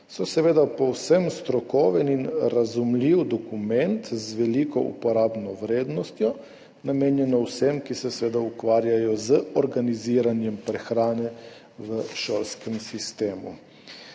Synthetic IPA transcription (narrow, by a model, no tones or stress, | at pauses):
sɔsɛʋeːd̪apɔwsəmst̪ɾɔkɔːʋɛninɾazumliwd̪ɔkumɛnt̪zʋɛliːkɔʔṵpɔɾaːbnɔʋɾeːd̪nɔst̪jɔ | nameːnjɛnɔwsɛmkisɛsʋeːd̪aukʋaːɾjajɔzəɔɾɡaniziːɾanjɛmpɾɛxɾaːnɛ | ʋəʃoːlskɛmsist̪eːmṵ